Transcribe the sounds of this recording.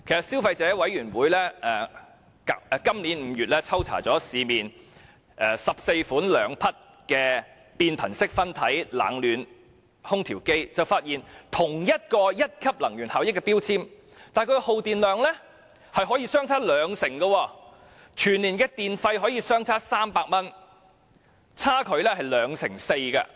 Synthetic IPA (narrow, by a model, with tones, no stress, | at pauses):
kʰe˨˩jsɐ˨t̚siː˥wfɐ˧jt͡sɛː˨˥wɐ˨˥jɥyː˨˩nwuː˨˥jlɛː˥ɛ˧ | ka˨ɛ˧kɐ˥mliː˨˥nm̩ː˨˧jyː˨t̚lɛː˥t͡sʰɐ˥wt͡sʰa̰ː˨˩t͡sɔː˨˥siː˨˧miː˨n | ʔɛː˧sɐ˨p̚se˧jfuː˨˥nlœː˨˧ŋpʰɐ˥t̚ | kɛː˧ | piː˧npʰɐ̰˨˩nsɪ˥k̚fɐ˥nt̪ʰɐ˨˥jla̰ː˨˥ŋlyː˨˧n | hʊ˥ŋt̪ʰiː˨˩wke˥jt͡sɐ˨wfaː˧t̚jiː˨nt̪ʰʊ˨˩ŋjɐ˥t̚kɔː˧jɐ˥t̚kʰɐ˥p̚lɐ˨˩ŋjyː˨˩nhaː˨˧wjɪ˥kːɛː˧pi˥wt͡sʰiː˥m | t̪aː˨˩jkʰɵ˧ho˨wt̪iː˨nlœː˨˧ŋlɛ˥ | hɐ˨jɦɔ˨˥jiː˧sœː˥ŋt͡sʰaː˥lœː˨˧ŋsɪ˨˩ŋɡɐ˧wɔː˧ | t͡ʃʰyː˨˩nliː˨˩nkɛː˧t̪iː˨nfɐ˧jɦɔː˨˥jiː˨˧sœː˥ŋt͡sʰaː˥saː˥mpaː˧k̚mɐ˥n | t͡sʰaː˥kʰɵ˨˧ɥlɛ˥hɐ˨jlœː˨˧ŋsɪ̰˨˩ŋse˧jkɐ̰˧